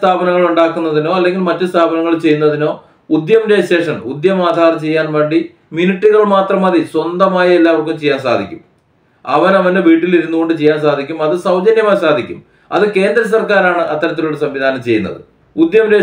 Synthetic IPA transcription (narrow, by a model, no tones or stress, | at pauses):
t̪ʰaːbʱɐnɐŋːɐɭuɳɖaːkːunːɐðino̞ːɐlːe̞ŋɡilmɐtːɨst̪ʰaːbʱɐnɐŋːɐɭt͡ɕe̞junːɐðino̞ː | ud̪jɐmɾeɕe̞ːʂɐnud̪jɐmaːd̪ʱaːrɐmt͡ɕe̞jːaːnʋe̞ːɳɖi | mjuniʈːiɣɐɭmaːt̪rɐmɐðiswɐnd̪ɐmaːjɐelːaːʋɐrk̬ːumt͡ɕejːaːnsa̰ːd̪ʱikʲːum | ɐʋɐnɐʋɐnde̞ʋiːʈːiliɾunːuɣo̞ɳɖɨt͡ɕe̞jːaːnsaːd̪ʱikʲːumɐðɨsɐwd̪ʱɐnjɐmaːjsaːd̪ʱikʲːum | ɐ̰ðɨke̞ːnd̪ɾɐs̬ɐrkaːɾaːɳɨʔɐt̪ːɐɾɐt̪̬ːiluɽesɐmʋid̪ʱaːnɐmt͡ɕe̞jːunːɐ̰ðɨ | ud̪jɐmɾe